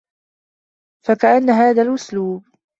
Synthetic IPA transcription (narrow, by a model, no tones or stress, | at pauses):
fakaʔanːaɦaːðaːlʔʊsluːb̚